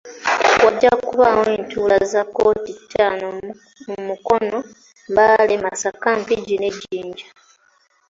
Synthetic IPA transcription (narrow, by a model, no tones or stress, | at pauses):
waɟːakuβaːweːntʰuːlazakːo̞ːtitʰːaːno | mmuko̞no̞ | mbalemasakampiɟine̞ɟiːɲɟa